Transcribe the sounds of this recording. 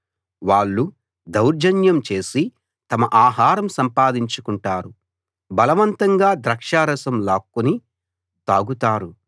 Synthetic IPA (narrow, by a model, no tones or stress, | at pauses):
ʋaːɭːu | d̪ɐwɾd͡ʒɐnjɐmt͡ʃe̞ːsi | t̪ɐmɐʔaːɦaːɾɐmsɐmpaːd̪iɲt͡ʃukuɳʈaːɾu | bɐlɐʋɐnt̪ɐŋɡaːd̪ɾɐkʂaːɾɐsɐmlaːkːuni | t̪aːɡut̪aːɾu